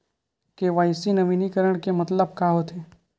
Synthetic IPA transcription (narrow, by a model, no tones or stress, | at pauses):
keʋaːɪsinəʋiːnikəɾəɽ̃kemɐt̪ləb̚kaɦot̪ʰeː